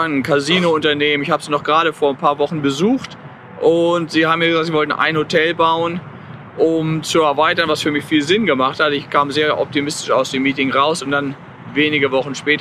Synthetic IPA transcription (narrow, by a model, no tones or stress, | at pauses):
nnkʰaziːnoʊntɐneːmənɪçhaːbəz̥iːnɔχɡ̥ʁaːɾəfoːɐnpʰaːɐvɔχn̩bəzuːxt | ʔʊntz̥iːhaːbmjaːɡəzak̚tz̥iːvɔltn̩ʔa̰ɪnhotʰɛlbaʊən | ʔʊmt͡suɛɐvaɪtɐnvasfyːɐmɪçfiːlzɪnɡəmaχthatəɪçkʰaːmzeːɐʔɔ̰p̚timɪstɪ̥ʃa̰ʊsd̥eːmːiːtɪŋʁaʊsʊnt̚d̥an | veːnɪɡəvɔχn̩ʃpɛːt